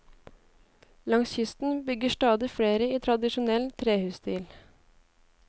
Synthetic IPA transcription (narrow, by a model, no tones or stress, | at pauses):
lɑŋsçʏst̪n̩bʏɡəʃtɑːd̪ɪfɽeːɾəiːt̪ʰɾɑd̪ɪʃʊnɛlt̪ʰɾeːhʉːsd̪iːl